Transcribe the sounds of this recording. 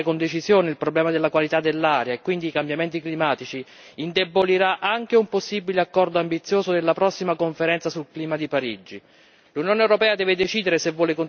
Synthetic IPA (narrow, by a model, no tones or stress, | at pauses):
ekond̪et͡ʃizjoːneilpɾoblɛːmad̪elːakwalit̪ad̪ːelːaːɾjaekːwind̪iːkambjament̪iklimaːt̪it͡ʃiː | nd̪eboliɾaʔaŋk̟eumposːibileakːɔrd̪oambit̪sːjoːzod̪elːapɾɔsːimakoɱfeɾɛnt̪sasulkliːmad̪ipaɾid͡ʒi | lunjoːnewɾopɛːad̪ɛːved̪et͡ʃiːd̪eɾesevːwɔːlekon